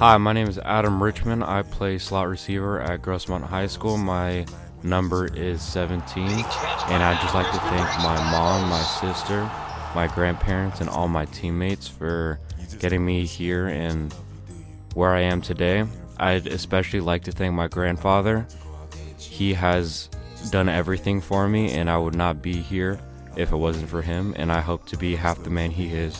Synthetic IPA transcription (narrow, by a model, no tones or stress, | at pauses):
haɪmaɪnẽɪ̃mɨzæ̰ɾɨ̃mɹɪt͡ʃmɨ̃na̰ɪpʰl̥eɪslɑt̚ɹɨsivə˞ʔɨ̰t̚ɡ̥ɹoʊsmɑ̃nʔɦaɪskulˠmaɪ | nʌ̃mbə˞ʔɪz̥sɛvɨ̃ntʰĩnʔɨ̃ñaɪd͡ʒʌstˡlaɪk̚tʰɨθæ̃ŋk̚maɪmɑ̃mːaɪsɪstə˞maɪɡɹæ̃npʰɛɹɨ̃ntsɨ̃nɔ̰lˠmaɪtʰĩmːeɪtsfə˞ɡ̥ɛɾɪ̃ŋmihiɹɪ̃n | wə˞aɪɨ̃mtʰɨdeɪ | ʔaɪɾɨ̰spɛʃl̩ˠilaɪk̚tʰɨθæ̃ŋk̚maɪɡɹæ̃nd̥fɑðə˞ | iɨz | dʌ̃nɛvɹiθɪ̃ŋfə˞miʔɨ̰̃naɪwədⁿnət̚b̥ihiɹ | ʔɪfət̚wʌzɨ̃ntfə˞ɪ̃mɨ̰̃naɪɦoʊp̚tʰɨbiɦæfðɨmæ̃niɪz̥